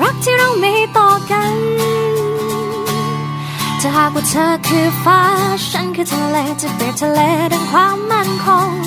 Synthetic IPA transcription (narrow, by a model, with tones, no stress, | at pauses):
ɾa˦˥k̚t̪ʰiː˧˩ɾa˧˩wma˧hjt̪ɔː˧˩ka˧n | t͡ɕa˨˧˩ɦaː˨˩k̚waː˧˩t̪ʰəː˧kʰɯː˧˩faː˧˥t͡ɕʰa˦˥nkʰɯː˧t̪ʰa˧ŋleː˧˩t͡ɕa˧˩ple˨˩t̪ʰa˧leː˧˥da˧nkʰwaː˧mːa˥˩nkʰɔ˧˥ŋ